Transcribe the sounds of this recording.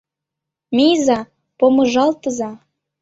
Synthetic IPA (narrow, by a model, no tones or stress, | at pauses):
mijzɑ | pomɤ̆ʒɑlt̪əzɑ